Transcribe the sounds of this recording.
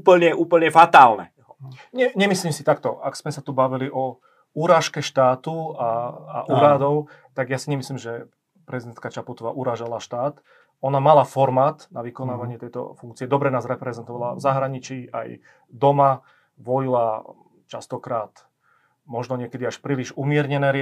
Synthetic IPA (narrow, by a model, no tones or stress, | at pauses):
pl̩ɲɛuːpl̩ɲɛfat̪aːlnɛ̰ | ɲɛɲɛmisliːmsit̪ak̚t̪ɔa̰ksmɛsat̪ubaʋiliʔɔ | uɾaːʃkɛʃt̪aːt̪uaa̰ʔuɾaːd̪ɔʊ | t̪aɡjasiɲɛmisliːmʒɛ | pɾɛzid̪ɛnt̪̚kat͡ʃaput̪ɔʋaːʔuɾaːʒalaʃt̪aːt̪ | ɔnamalafɔɾmaːt̪naʋikɔnaːʋaɲɪɛt̪ɛjt̪ɔ̰fuŋk̚t͡siɛd̪ɔbɾɛnaːzɾɛpɾɛzɛnt̪ɔʋala̰vzaɦɾaɲit͡ʃiːʔa̰j | d̪ɔma | ʋɔjila | t͡ʃast̪ɔkɾaːt̪ | mɔʒnɔɲɪɛkɛd̪iaʃpɾiːliʒumɪɛɾɲɛnɛːɾ